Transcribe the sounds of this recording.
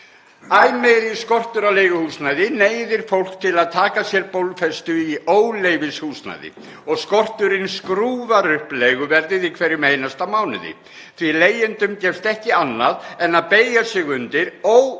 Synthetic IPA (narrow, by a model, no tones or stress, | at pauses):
ajmɛjɾiskɔr̥t̪ʏɾalejɣʏhusnajðɪneːjðɪɾ̥fowl̥k̚t̪ʰɪlaðt̪ʰaːkasjɛɾpowlfɛst̪ʏiʔoːwlejvɪshuːsna̰jðɪ̰ | ɔɣskɔr̥t̪ʏɾɪnskɾuːðaɾʏhplejɣʏvɛɾðɪðikʰvɛːɾɪmejnast̪amaːwnʏ̰ðɪ̰ | θvileːjɪnt̪ʏmcɛ̥st̪ɛhcɪanːaðɛnːaðpeːjasɪɣʏnt̪ɪɾɔw